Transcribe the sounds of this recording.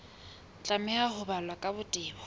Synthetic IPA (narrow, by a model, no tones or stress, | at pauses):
t͡ɬʼamɛahʊbalwakʼabʊtʼɪːbɔ